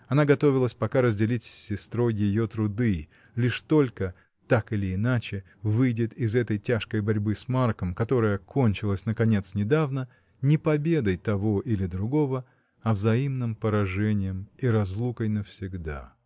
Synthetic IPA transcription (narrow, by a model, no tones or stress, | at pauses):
ɐnaɡɐt̪o̞vʲɪlˠəsʲpɐkaɾəzʲdʲɪlʲitʲsʲːɪst̪ɾo̞jjɪjo̞t̪ɾʊd̪ɨ | lʲiʂt̪o̞lʲkə | t̪akɨlʲɪːnat͡ɕɪ | vɨjdʲɪt̪ɪzɛt̪əjtʲaʂkəjbɐɾʲbɨsmarkəmkɐt̪o̞ɾəjəkʰo̞nʲt͡ɕɪlˠəsʲnəkɐnʲe̞t̪snʲɪd̪avnə | nʲɪpɐbʲe̞d̪əjt̪ɐvo̞ʔilʲɪd̪ɾʊɡo̞və | ɐvzɐimnɨmpəɾɐʐɛnʲɪjəmiɾɐzlˠukəjnəfsʲɪɡd̪a̰